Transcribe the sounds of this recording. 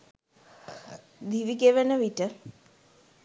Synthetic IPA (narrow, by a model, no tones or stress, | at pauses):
d̪iʋiɡeʋənəʋiʈə